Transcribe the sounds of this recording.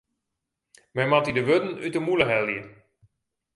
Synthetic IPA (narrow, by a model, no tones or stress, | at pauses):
mɛmatidəʋødən̩ytəmuləɦɛlˠjə